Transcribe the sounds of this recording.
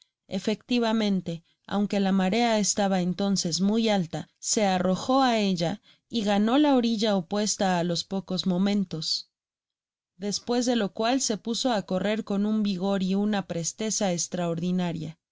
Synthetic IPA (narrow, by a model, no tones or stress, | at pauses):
e̞fe̞kt̪iβamẽ̞nt̪e̞ | a̰wŋke̞lamaɾe̞ae̞st̪aβaent̪o̞nse̞zmujalt̪ase̞aro̞xo̞ae̞ʝa | iɣano̞lao̞ɾiʝaopwe̞st̪aːlo̞spo̞ko̞zmõ̞mẽ̞nt̪o̞s | ðe̞spwe̞zðe̞lo̞kwalse̞puso̞ako̞re̞ɾko̞numbiɣ̞o̞ɾiunapɾe̞st̪e̞saest̪ɾao̞ɾðinaɾja